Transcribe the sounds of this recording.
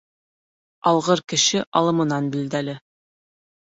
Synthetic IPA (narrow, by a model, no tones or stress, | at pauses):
ɑlˠʁɤɾkɘ̆ʃɘʔɑlˠɤ̆mɤ̆nɑnbild̪ælɘ